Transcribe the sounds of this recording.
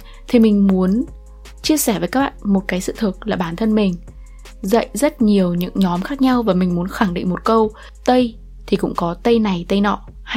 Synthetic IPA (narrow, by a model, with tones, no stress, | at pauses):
t̪ʰi˨˩mï˨˩ŋ̟mu˨˦ən | t͡ɕi˧əsɛː˧˩vəː˨˩jkaː˦˥k̚ɓa̰ː˧˨nmo˨˩t̚kaː˨˦jsɨ̰˧˨t̪ʰɨ˨˩k̚laː˨˩ɓaː˧˩nt̪ʰə˧nmï˨˩ŋ̟ | zə̰˧˨jʔzə˦˥t̚ɲi˨˩əwɲɨ̰˧˥ŋɲɔ˨˦mxaː˦˥k̚ɲa˧wvaː˨˩mï˨˩ŋ̟mu˨˦ənxa˧˩ŋɗḭ˧˨ŋ̟mo˨˩t̚kə˧w | t̪ə˧j | t̪ʰi˨˩kʊ̰˧˥ŋ͡mkɔ˨˦t̪ə˧jna˨˩jt̪ə˧jnɔ̰˧˨ | h